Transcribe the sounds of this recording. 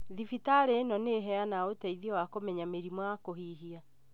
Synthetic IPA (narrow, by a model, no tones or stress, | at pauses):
ðifitaɾenɔneɦɛanaotɛiðiɔwakomɛɲameɾimwɔakoɦiɦia